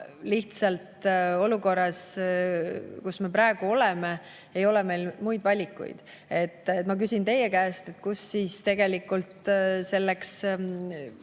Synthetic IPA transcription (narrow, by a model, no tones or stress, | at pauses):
liht̪sɑlt̪o̞luko̞rːɑs | kusme̞pɾɑe̞ɡ̥uo̞leme | ejo̞lɛme̞jlmujd̪vɑlʲikːˑṵjd̪̥ | e̞t̪ːˑet̪ːmɑk̬ysʲint̪e̞jekæːst̪e̞t̪kusːiːst̪e̞ɡ̥e̞likːˑult̪se̞lːeks